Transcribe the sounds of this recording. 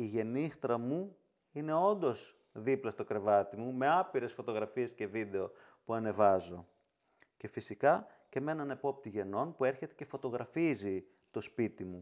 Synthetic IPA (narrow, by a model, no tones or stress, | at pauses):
iʝe̞nist̪ɾɐmu | ine̞o̞nd̪o̞z | ðiplɐst̪o̞kɾe̞vɐt̪imume̞ɐpiɾe̞sfot̪o̞ɣɾɐfie̞sce̞vid̪e̞o̞ | puɐne̞vɐzo̞ | ce̞fisikɐce̞me̞nɐnepo̞p̚t̪iʝe̞no̞npue̞ɾçe̞t̪e̞ce̞fo̞t̪o̞ɣɾɐfizi | t̪o̞spit̪imu